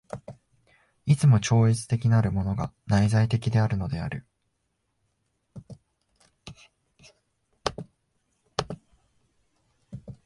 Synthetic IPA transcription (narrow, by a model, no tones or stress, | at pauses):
it͡sɨmo̞t͡ɕo̞ːit͡sɨ̥t̪e̞kʲinaɾɯ̟mo̞no̞ɡa̰naizait̪e̞kʲid̪e̞aɾɯ̟no̞d̪e̞aɾɯ̟